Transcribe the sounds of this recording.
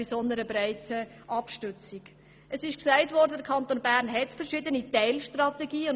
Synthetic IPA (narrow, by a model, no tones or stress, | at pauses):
isɔnəɾəbɾaɪtʰə | ʔɑpʃtʉt͡siɡ | ʔəsɪʃksæɪtvɔɾdədəɾkʰɑntoːnbæɾnɦɛtfəɾʃɪdənitɛɪlʃtrɑtɛɡiːʊn